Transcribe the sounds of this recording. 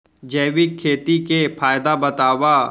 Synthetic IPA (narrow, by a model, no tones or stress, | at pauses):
d͡ʒɛːwikʰːeːt̪ikepʰaːjd̪abɐt̪aːwa